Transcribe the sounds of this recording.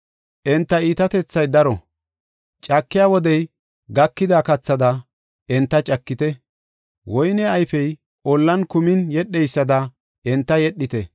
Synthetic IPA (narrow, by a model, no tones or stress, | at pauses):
ʔɛnt̪ːɐiːt̪ɐt̪ɛt͡sːɐjd̪ɐɾɔ | t͡ʃʼɐkːɪjaːwɔd̪ɛj | ɡɐkːɪd̪aːkɐt͡sːɐd̪ɐ | ɛnt̪ːɐt͡ʃʼɐkːɪt̪ɛ | wɔjnɛɐjfɛj | ʔɔlːɐnkʊmɪnjɛɗːɛjsːɐd̪ɐ | ɛnt̪ːɐjɛɗːɪt̪ɛ